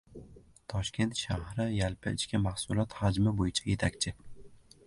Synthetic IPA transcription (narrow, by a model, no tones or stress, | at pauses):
t̪ʰɒʃkʲe̞nt̪ʃahɾɪjalpʰɪɪt͡ʃkʲʰamahsʊlˠɒt̪had͡ʒmɪbojɪt͡ʃʰaje̞t̪ʰakʲt͡ʃʰɪ